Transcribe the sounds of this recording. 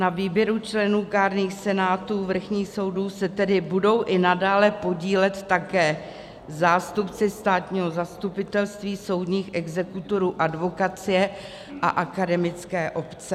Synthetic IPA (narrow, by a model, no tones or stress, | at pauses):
naviːbjɛɾut͡ʃlɛnuːkaːɾniːxsɛnaːt̪uːvr̩xɲiːxso̞wduːsɛt̪ɛdɪbudo̞wʔɪnadaːlɛpo̞ɟiːlɛt̪ːakɛː | zaːst̪upt͡sɪst̪aːt̪ɲiːɦo̞zast̪upɪt̪ɛlst̪viːso̞wdɲiːxʔɛɡzɛkut̪o̞ɾuːʔadvo̞kat͡sɪjɛ | ʔa̰ʔakadɛmɪt͡skɛːʔo̞pt͡sɛ